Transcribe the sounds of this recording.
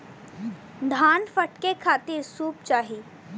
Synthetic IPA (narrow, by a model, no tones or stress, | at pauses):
d̪ʱaːnfəʈkekʰaːt̪iɾsuːp̚t͡ʃaːɦiː